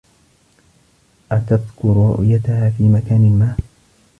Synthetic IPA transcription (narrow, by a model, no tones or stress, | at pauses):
ʔat̪aðkʊɾɾʊ̰ʔɪjat̪ahaːfiːmakaːnɪlmaːʔ